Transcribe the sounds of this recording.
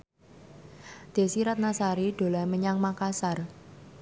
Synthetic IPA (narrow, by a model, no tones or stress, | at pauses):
d̪̥e̤siɾat̪̚nasaɾiɖ̥o̤laməɲaŋmakasar